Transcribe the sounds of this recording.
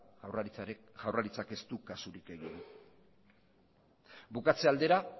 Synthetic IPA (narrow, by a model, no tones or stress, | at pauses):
ʝawraɾit͡sake̞st̪ukasuɾike̞ɣinu | bukat͡seald̪e̞ɾa